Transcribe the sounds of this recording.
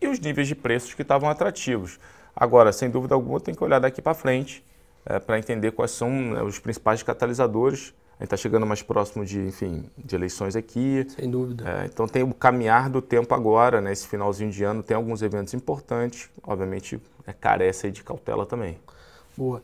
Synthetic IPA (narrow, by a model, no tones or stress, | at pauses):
ɪʊznivejzd͡ʒɪpɾesʊ̥ʃkɪt̪avɐ̃w̃at̪ɾat͡ʃivʊs | a̰ɡɔɾɐsẽj̃d̪uvid̪ɐawɡũmɐt̪ẽj̃kʲɪoʎaɾd̪akipɾɐfɾẽnt͡ʃɪ̥ | ɛ̰pɾɐẽnt̪ẽnd̪ekwa̰jsɐ̃w̃nɛ̰ʊspɾĩsi̥pajskat̪alizad̪oɾɪs | ɐḛ̃t͡ʃɪt̪aʃeɡɐ̃nd̪ʊmajspɾʔɔsimʊd͡ʒɪẽfĩd͡ʒɪelejsõj̃zakʰisẽj̃d̪uvid̪ɛ̰ḛ̃t̪ɐ̃w̃t̪ẽj̃ʊkamĩaɾd̪ʊt̪ẽmpʊa̰ɡɔɾɐnɛesɪ̥finawzĩɲʊd͡ʒɪɐ̃nʊt̪ẽj̃awɡũzevẽnt̪ʊzĩpoɾt̪ɐ̃t͡ʃɪ̥sɔ̰bviamẽnt͡ʃɪ̰ | ɛka̰ɾɛsɐid͡ʒɪka̰wt̪ɛ̰lʔɐt̪ɐ̃mbẽj̃ | boɐ